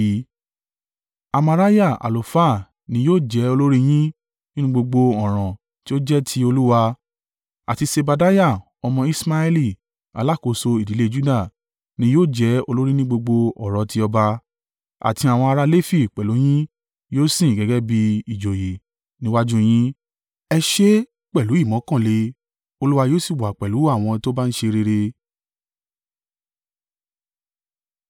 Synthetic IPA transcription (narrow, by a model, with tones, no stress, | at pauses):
a˧ma˧ɾa˦ja˦˨ʔa̰˨lo˨fa˦˨ | nĩ˧˦joː˦˨d͡ʒɛ˨˦o˧lo˦ɾi˦j̃ĩ˦ | nĩ˦nũ˦ɡ͡bo˧ɡ͡bo˧ɔ˦˨ɾ̃ɔ̃˨ | ti˦o˦d͡ʒɛ˦tʰi˧˦o˧lu˦wa˧ | a̰˨ti˧se˧ba˧da˦ja˦˨ | ɔ˧mɔ̃˧i˦sma˧˦ɛ˦li˦˨ | a̰˧la˦˨ko˧˨so˧i˨di˨˦le˦d͡ʒu˦da˦˨ | nĩ˧˦joː˦˨d͡ʒɛ˨˦o˧lo˦ɾi˦nĩ˦ɡ͡bo˧ɡ͡bo˧ɔ˨ɾ̃ɔ̃˨ti˧˦ɔ˧ba˧ | a̰˨tĩ˧a˨w̃ɔ̃˧a˧ɾa˧le˦fi˦˨k͡pɛ˨lu˨˦j̃ĩ˦ | joː˦sĩ˦˨ɡɛ˨˦ɡɛ˦bi˧i˨d͡ʒo˨je˨ | nĩ˦wa˦d͡ʒũ˦j̃ĩ˦ | ɛ˧ʃe˦ | k͡pɛ˦˨lu˨˦i˦˨mɔ̃˨˦kã˦˨le˧˦ | o˧lu˦wa˧joː˦si˦˨wa˨k͡pɛ˨lu˨˦a˦˨w̃ɔ̃˧to˦ba˦n̩˦ʃe˧ɾe˧ɾe˧